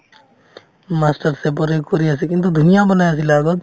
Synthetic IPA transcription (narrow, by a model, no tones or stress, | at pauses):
maːsʈəɾsepɔɾekoɾiasikɪ̃nt̪ud̪ʱʊnɪjabənaːjasilaːɡɔt̪